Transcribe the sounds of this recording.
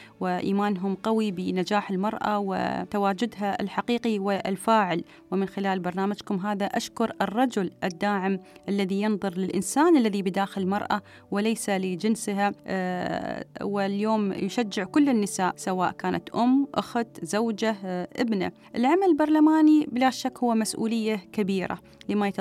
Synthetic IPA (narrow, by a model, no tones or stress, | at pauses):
wɪʔiːmaːnɦʊmqawibɪnad͡ʒaːħɪlmɑɾˤʔa̰wɪ̰t̪awaːd͡ʒʊd̪ɦaɪ̰lħaqiːqiwɪlfaːʕɪl | wɪmɪnxɪlaːlbɑɾˤnaːmad͡ʒkʊmɦaːðaʔaʃkʊɾɨrˤːɑd͡ʒʊlʔɪd̪ːaːʕɪmʔalːaðijɪnðˤʊɾlɪlʔɪnsaːnʔalːaðibɪd̪aːxɪlɪlmɑɾˤʔa | wɪlajsalɪd͡ʒɪnsɦa | wɪljoːmjʊʃad͡ʒːɪʕkʊlːɪnːɪsaːʔsawa̰ːʔkaːnʔa̰t̪ʔʊmːʔʊ̰xt̪zawd͡ʒaʔɪbna̰ | ʔɪlʕamalbɑɾˤlamaːnibɪlaʃakːhʊwːmasʔṵːlɪjːakabiːɾa̰ | lɪmajɪt̪